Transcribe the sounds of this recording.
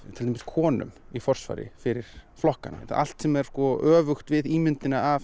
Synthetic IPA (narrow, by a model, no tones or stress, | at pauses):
t̪ʰɛlt̪ɛmskʰɔːnʏ̰mifɔr̥sfa̰jɾɪ̰fɪɾɪɾ̥flɔhkana̰θaa̰l̥t̪sɛmɛɾ̥skɔœːvʏxt̪vɪðiːmʏnt̪ɪnaav